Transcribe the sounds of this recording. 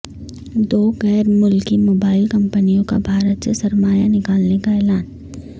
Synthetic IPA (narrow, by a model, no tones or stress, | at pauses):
d̪oːɣɛːɾmʊlkimoːbaːɪlkɐ̃mpənijõka̰bʱaːɾət̪sesɐɾmaːjanɪkaːlnekaeːlaːn